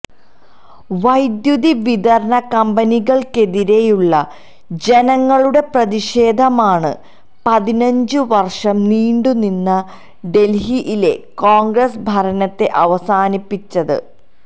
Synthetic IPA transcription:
ʋɐjd̪juðiʋid̪ɐɾɐɳɐkɐmbɐniɣɐɭke̞ðiɾe̞juɭːɐ | d͡ʑe̞nɐŋːɐɭuɽe̞prɐðiʂe̞ːd̪ʱɐmaːɳɨ̰ | pɐðinɐɲd͡ʑɨʋɐrʂɐmniːɳɖuninːɐ | ɖe̞lɦiʔile̞̰koːŋɡrɐsbʱɐɾɐnɐt̪ːe̞ʔɐʋɐsaːnipːit͡ɕːɐðɨ̰

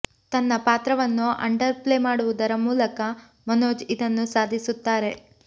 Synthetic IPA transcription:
t̪ɐnːɐpaːt̪ɾɐʋɐnːuɐ̰ɳɖɐɾpleːmaːɽuʋud̪ɐɾɐmuːlɐkɐ | mɐnoːd͡ʒid̪ɐnːusaːd̪ʱisut̪ːaːɾe̞

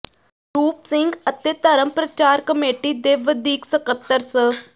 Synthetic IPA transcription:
ɾuːpsɪŋɡət̪eːt̪əɾəmpɾət͡ʃaːɾkəmeːʈid̪eːʋəd̪ʱiːksəkət̪ːəɾsə

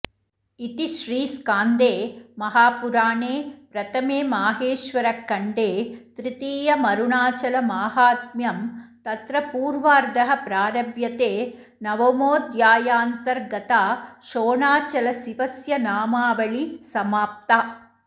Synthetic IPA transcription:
it̪iʃɾiːskaːnd̪eːmɐɦaːpuɾaːɳeːpɾɐt̪ʰɐmeːmaːɦeːʃʋɐɾɐkːɐɳɖeːt̪ɾit̪iːjɐmɐɾuɳaːt͡ʃɐlɐmaːɦaːt̪̚mjɐmt̪ɐt̪ɾɐpuːɾʋaːɾd̪ɐɦɐpɾaːɾɐʋjɐt̪eː | nɐʋomoːd̪jaːjaːnt̪ɐɾɡɐt̪aːʃoːɳaːt͡ʃɐlɐsiʋɐsjɐnaːmaːʋɐɭisɐmaːp̚t̪a

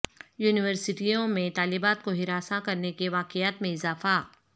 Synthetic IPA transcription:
juːnɪʋəɾsɪʈijõmẽt̪aːlɪbaːt̪̚koɦɪɾaːsãkɐɾnekeʋaːqɪaːt̪mẽɪzaːfaː

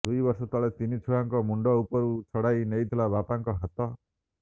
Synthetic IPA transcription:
d̪ujbɔɾsɔt̪ɔɭet̪init͡ʃʰuɽaŋkɔmuɳɖɔupɔɾut͡ʃʰɔɽajnejt̪ʰilabapaŋkɔɦat̪ɔ

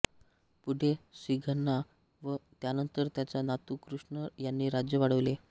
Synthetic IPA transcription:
puɽ̤ʱesʋiɡʱənːa | ʋət̪janənt̪əɾt̪jat͡ɕjanat̪uːkɾuʂɳəjanːiːɾad͡ʑjəʋaɽəʋle

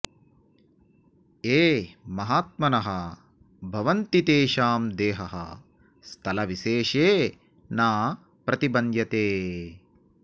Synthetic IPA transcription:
eːmɐɦaːt̪̚mɐnɐɦɐ | bʱɐʋɐnt̪it̪eːʃaːmd̪eːɦɐɦɐ̰ | st̪ʰɐlɐʋiʃeːʃeː | naː | pɾɐt̪ibɐnd̪jɐt̪eː

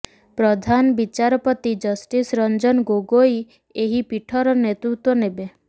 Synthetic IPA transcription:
pɾɔd̪ʱanbit͡ʃaɾɔpɔt̪id͡ʒɔsʈisɾɔnd͡ʒɔnɡoɡoj | eɦipiʈʰɔɾɔnet̪ɾut̪wɔnebe

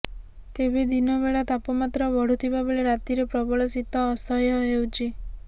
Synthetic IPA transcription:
t̪ebʱid̪inɔbeɭat̪apɔmat̪ɾɔbɔɽ̤ut̪ʰibabeɭeɾat̪iɾepɾɔbɔɭɔsit̪ɔːsɔjɔɦewt͡ʃʰi

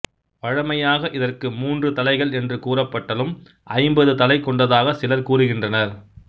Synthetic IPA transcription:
ʋɐɻɐmɐjaːɣɐʔɪðɐrkɯmuːndrɯt̪ɐlɐɪɣɐɭɛndrɯkuːrɐpːɐʈːɐlɯm | ʔɐɪmbɐðɯt̪ɐlɐɪkɔɳɖɐðaːɣɐsɪlɐɾkuːrɯɣɪndrɐnɐɾ

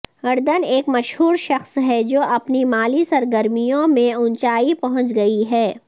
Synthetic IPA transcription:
ɐɾd̪əneːkmɐʃɦuːɾʃɐxsɦɛd͡ʒoːɐpnimaːlisɐɾɡəɾmijõmẽʊnt͡ʃaːipɐɦʊ̃t͡ʃɡɐiɦɛː

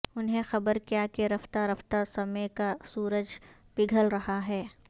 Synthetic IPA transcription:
ʊnɦẽxɐbəɾkijaːkeɾɐft̪aɾɐft̪asɐmekasuːɾəd͡ʒ | pɪɡʱəlɾɐɦaɦɛː

